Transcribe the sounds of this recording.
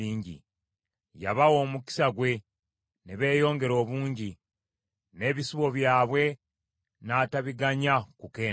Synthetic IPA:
iːɲɟḭ | ja̰βawo̞ːmuki̥saɡwe̞ | neβe̞ːjo̞ːŋɡe̞ɾo̞ːβuːɲɟi | ne̞ːβisuβo̞βjaːβwe̞ | naːtaβiɡaɲakuke̞ː

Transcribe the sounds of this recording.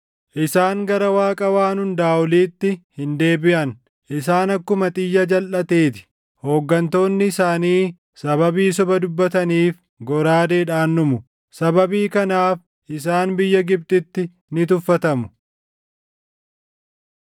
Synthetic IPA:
ʔɪsaːŋɡɐɾɐwaːkʼɐwaːnhʊnd̪aːɔliːt̪ːɪhɪnd̪e̞ːbɪʔɐn | ʔɪsaːnɐkːʊmɐt̪ʼɪjːɐd͡ʒɐlʔɐt̪eːt̪ɪ̥ | ho̞ːɡːɐnt̪o̞ːnːɪːsaːniː | sɐbɐbiːs̬ɔbɐd̪ʊbːɐt̪ɐniːf | ɡɔɾaːd̪eːᶑaːnːʊmʊ | sɐbɐbiːkɐnaːf | ʔɪsaːnbɪjːɐɡɪb̚t̪ʼɪt̪ːɪ | nɪt̪ʊfːɐt̪ɐmʊ

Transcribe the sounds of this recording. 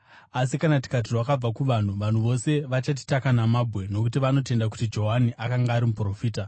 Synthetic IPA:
as̬ikanati̥kat̬irwakab͡vakuʋan̤uʋan̤uʋo̞se̞ʋat͡ʃat̬i̥takanamabʱwe̞no̞kutiʋano̞t̬e̞ndak̬u̥tid͡ʒo̞ɦaniʔakaŋɡaːɾimupro̞fiːta

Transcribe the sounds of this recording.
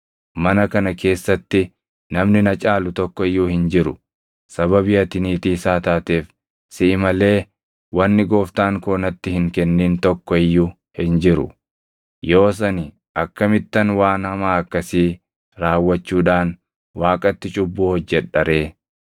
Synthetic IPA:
mɐnɐkɐnɐkʰe̞ːsːɐt̪ːɪ | nɐmnɪnɐt͡ʃʼaːlʊt̪ɔkːɔɪjːuːhɪnd͡ʒɪɾʊ̰ | sɐβɐbɪɐt̪ɪniːt̪iːsaːt̪aːt̪eːf | sɪʔɪmɐle̞ː | wɐnːɪɡo̞ːft̪aːŋkoːnɐt̪ːɪhɪŋkɛnːiːnt̪ɔkːɔɪjːʊ | hɪnd͡ʒɪɾʊ̰ | jo̞ːs̬ɐnɪ | ʔɐkːɐmɪt̪ːɐnwaːnhɐmaːɐkːɐsiː | ɾaːwːɐt͡ʃːuːᶑaːn | waːkʼɐt̪ːɪt͡ʃʼʊbːuːhɔd͡ʒːɛᶑɐɾe̞ː

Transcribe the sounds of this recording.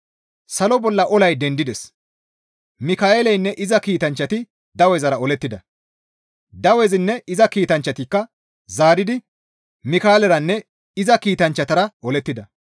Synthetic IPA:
sɐlɔbɔlːɐʔɔlɐjd̪ɛnd̪ɪd̪ɛs | mɪkaːeːlɛjnːɛʔɪzɐkiːt̪ɐnt͡ʃːɐt̪ɪ | d̪ɐwɛzɐɾɐɔlɛt̪ːɪd̪ɐ | d̪ɐwɛzɪnːɛɪzɐkiːt̪ɐnt͡ʃːɐt̪ɪkːɐ | zaːɾɪd̪ɪ | mɪkaːlɛɾɐnːɛ | ɪzɐkiːt̪ɐnt͡ʃːɐt̪ɐɾɐʔɔlɛt̪ːɪd̪ɐ

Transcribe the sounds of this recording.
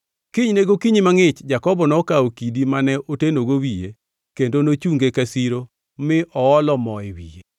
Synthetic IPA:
kɪɲneɡokiɲimaŋɪt͡ʃd͡ʒakɔbɔnɔkaokidimanɛʔotenoɡowijḛ | kendonot͡ʃuŋɡekasiɾo | mɪʔɔɔlɔmɔɪwḭje

